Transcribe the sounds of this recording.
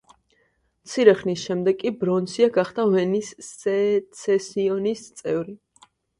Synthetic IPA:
mt̪sʰiɾɛχnisʃɛmd̪ɛɡkʼibɾɔnsiaɡaχd̪avɛnis | sɛsiɔnist̪sʼɛvɾi

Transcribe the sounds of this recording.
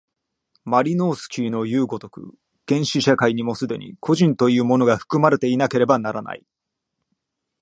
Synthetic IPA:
maɾʲino̞ːsɨ̥kʲʰiːno̞jɯ̟ːɡo̞t̪o̞kɯ̟̰ | ɡ̥ẽ̞ɰ̃ɕiɕakaiɲ̟imo̞sɨd̪e̞̰ɲ̟ʔḭkʰo̞ʑĩnt̪o̞jɯ̟ːmo̞no̞ɡaɸɯ̟̥kɯ̟maɾe̞t̪e̞inake̞ɾe̞banaɾana̰ḭ

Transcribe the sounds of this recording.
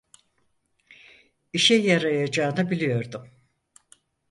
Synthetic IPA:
iʃɛjaɾajad͡ʒaːɯnɯbilʲijo̞ɾd̪ʊm

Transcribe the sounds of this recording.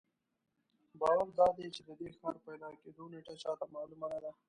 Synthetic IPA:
bɑːwaɾd̪ɑːd̪et͡ʃed̪əd̪exɑːɾpajd̪ɑked̪oneʈat͡ʃɑt̪amɑːlumanad̪a

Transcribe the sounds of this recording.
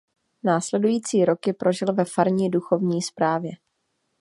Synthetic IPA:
naːslɛdujiːt͡siːɾo̞kɪpɾo̞ʒɪlvɛfaɾɲiːduxo̞vɲiːspɾaːvjɛ

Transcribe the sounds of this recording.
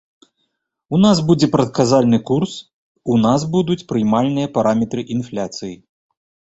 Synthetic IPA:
unasbud͡zʲɛpɾɐt̪̚kazalʲnɨkurs | unazbud̪ut͡sʲpɾɨjmalʲnɨjɐpaɾʔamʲɛt̪ɾɨʔinflʲat̪sɨji

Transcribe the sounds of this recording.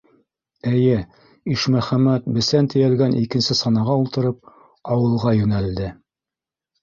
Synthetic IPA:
ɘjɘ | iʃmæχæmæt̪̚bɘ̆sænt̪ɘ̆jælɡænʔikɘ̆nsɘsɑnɑʁɑulˠt̪ɤ̆ɾɤp̚ | ɑwɤ̆lˠʁɑjʉnæld̪ɘ

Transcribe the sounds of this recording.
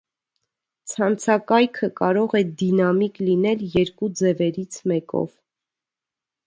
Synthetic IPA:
t͡sʰɑnt͡sʰɑkɑjkʰəkɑɾɔʁɛd̪inɑmiklinɛljɛɾkud͡zɛvɛɾit͡sʰmɛkɔ̰v̥

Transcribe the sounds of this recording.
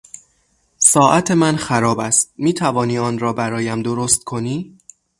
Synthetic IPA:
sɒːʔæt̪ʰemænxæɾɒːbæst̪̚miːt̪ʰævɒːniːɒːnɾɒːbæɾɒːjæmd̪oɾost̪̚kʰo̞niː

